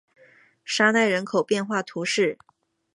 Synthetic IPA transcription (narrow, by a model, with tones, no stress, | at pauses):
ʂa˥na˥˩ɪɻə˧˥nkʰo˨˩ʊpjɛ˥˧nxwa˥˩t̪ʰu˧˥ʂɻ̩˥˩